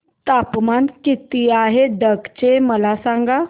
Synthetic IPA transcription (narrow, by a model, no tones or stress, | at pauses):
t̪apmankit̪iaɦed̪əkt͡ɕeməlasãŋɡa